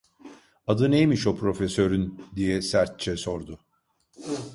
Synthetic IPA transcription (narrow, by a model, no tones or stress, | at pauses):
ad̪ɯnejmiʃo̞pʰɾo̞fesøɾynd̪ijɛsæɾt̪̚t͡ʃʰɛso̞ɾd̪ʊ